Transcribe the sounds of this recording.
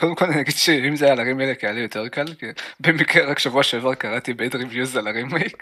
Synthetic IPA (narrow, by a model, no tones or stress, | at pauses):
kod̪emkolaninaɡid̪̥ʃeimzeaalaʁimaelekaalijo̞t̪e̞ʁkalkebemikʁeʁakʃavuaʃevaʁkaʁat̪ibeed̪ʁivjuzalaʁimei